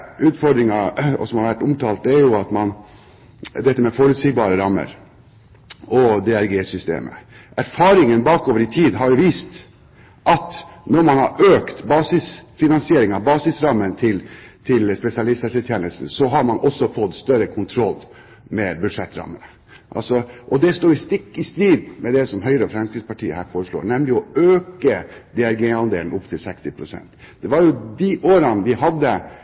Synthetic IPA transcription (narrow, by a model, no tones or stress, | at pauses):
ʉːt̪fɔɖ̪ɾɪŋɑɔ̰sɔmhɑɾʋæʈːʊmt̪ʰɑːlt̪d̪æɾjʊɑt̪mɑn | d̪ɛt̪ːəmɛfoːɾʉd̪siːk̚bɑːɾəɾɑmːə̰ɾ | ɔd̪ɛæɾɡeːsʏst̪ḛːmʔə̰ | ʔæɾfɑːɾɪŋənbɑːkoːʋəɾɪt̪ʰiːd̪ɦɑɾjʊʋiːst̪ | ʔɑt̪nɔɾmɑnhɑ̰ɾʔøːkt̪bɑːsɪsfɪnɑnsɪeːɾɪŋɑʋbɑːsɪsɾɑmːənt̪ʰɪlt̪ʰɪlspɛsɪɑlɪst̪ɛsət̪ʰjɛnəlsn̩sɔɦɑɾmɑnʔɔsːɔfɔt̪ːst̪œɾəkʰʊnt̪ʰɾɔlː | mɛbʉd̪ʂɛt̪ːɾɑ̰mːə̰nə | ʔɑ̰lsɔʔɔd̪ɛst̪uːɪst̪ɪkːɪst̪ɾiːd̪mɛd̪ɛsɔmɦœʏɾəɔfɾɛmsk̪iːd̪spɑʈʰiːəhæ̰ːɾfoːɾəʂlo̰ːɾnɛmlɪɔøːkəd̪ɛæɾɡeːɑnd̪ḛːln̩ɔpt̪ʰɪlsɛkst̪ɪpʰɾʊsɛ̰nt̪ | d̪̥ɛʋɑɾjʊd̪ɪʔoːɾɑnʋɪhɑd̪ːə